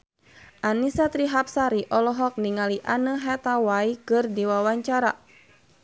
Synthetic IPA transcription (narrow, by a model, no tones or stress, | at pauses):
ʔanisat̪ɾiɦap̚saɾiʔɔlɔɦɔk̚niŋaliʔanəɦɛt̪awaikɨrdiwawaɲt͡ʃaɾa